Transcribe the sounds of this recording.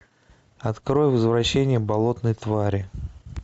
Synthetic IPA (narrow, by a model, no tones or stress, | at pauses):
ɐt̪kɾo̞jvəzvɾɐɕːenʲɪjəbɐlˠo̞t̪nɨjt̪vaɾʲɪ